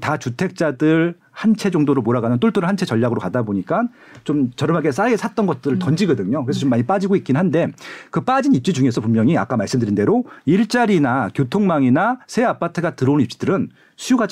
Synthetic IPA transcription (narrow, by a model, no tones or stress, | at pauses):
tat͡ɕutʰe̞k̚t͡ɕ͈adɯɭ | hant͡ɕʰe̞d͡ʑʌŋdoɾomoɾaɡanɯnt͈ʰoɭt͈ʰoɾɯɭhant͡ɕʰe̞t͡ɕʌʎːaɡɯɾokadaboɲik͈an | t͡ɕomt͡ɕʌɾɯmaɡes͈aɡesʰat̚t͈ʌnɡʌt̚t͈ɯɾɯɭtʌnd͡ʑiɡʌdɯɲokɯɾesʰʌt͡ɕomːaɲip͈ad͡ʑiɡoik͈inɦande̞kɯp͈ad͡ʑinip̚t͡ɕ͈id͡ʑuŋesʰʌpunmjʌŋia̰k͈amaɭs͈ɯmdɯɾinde̞ɾoiɭt͡ɕ͈aɾinakjotʰoŋmaŋinasʰe̞apʰatʰɯɡatɯɾʌunip̚t͡ɕ͈i̥dɯɾɯn | sʰujuɡad͡ʑ